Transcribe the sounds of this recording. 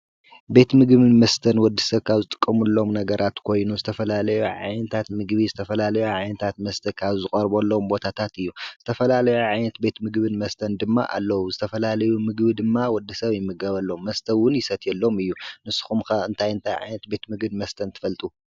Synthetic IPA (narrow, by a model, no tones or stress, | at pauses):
be̞t̪mɨɡβɨnmɐst̪ʰɐnwɔd̪ːisɐβkʰaβzɨt̪ʼɨ̥kʼːɐmulːo̞mnɐɡɐɾʔat̪kʰo̞jnuzɨt̪ʰɐfɐlalɐjuʕa̰jnɐt̪ʰat̪mɨɡβizɨt̪ʰɐfɐlalɐjuʕajnɐt̪ʰat̪mɐst̪ʰɐkʰaβzɨkʼɐɾbolːombo̞t̪ʰat̪ʰat̪ɨjːuz̥ɨt̪ʰɐfɐlalɐjuʕajnɐt̪be̞t̪mɨɡbɨnmɐst̪ʰɐnd̪ɨmːa̰ʔa̰lːɐwuzɨt̪ʰɐfɐlalɐjumɨɡbid̪ɨmːawɔd̪ːɨsɐβjɪmːɨɡɐβɐlːo̞mːɐst̪ʰɐwːʊnjɪsɐt̪ʰɛlːo̞mɨjːunɨsːɨ̥xumkɐɨnt̪ʰajɨnt̪ʰajʕa̰jnɐt̪be̞t̪mɨɡbɨmɐst̪ʰɐnt̪ʰɨ̥fɐlt̪ʼu